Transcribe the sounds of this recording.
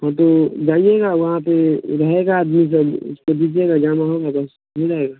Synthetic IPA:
ɦãt̪od͡ʒaːieɡaʋɐɦãpeɾɐɦeɡaːd̪mis̬ɐʊ̰skod̪id͡ʒeɡad͡ʒaːnʋaɦõɡabɐs | ɦid͡ʒaːeɡaː

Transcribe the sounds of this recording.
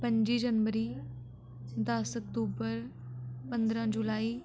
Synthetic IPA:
pə̃ɲd͡ʒiːd͡ʒənʋəɾiː | d̪ɐsək̚t̪uːbəɾ | pə̃nd̪ɾãːd͡ʒulaːiː

